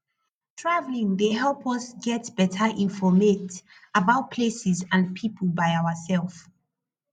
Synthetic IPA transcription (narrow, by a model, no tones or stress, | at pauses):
tʰɹavlĩŋðeɦɛlˠpʰɔsɡɛtb̥ɛtʰəʔĩnfɔmet | əbaʊt̚pʰlesɪzãnpʰipʰəlˠbaɪawəsɛlˠf